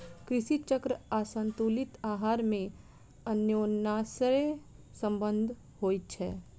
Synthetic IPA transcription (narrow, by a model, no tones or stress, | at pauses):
kɾɪsit͡ʃəkɾəasə̃nt̪ulɪt̪aːɦaːɾmẽ | ənjoːnaːsɾe | sə̃mbə̃nd̪ʱ | hoːit̪̚t͡ʃʰɛː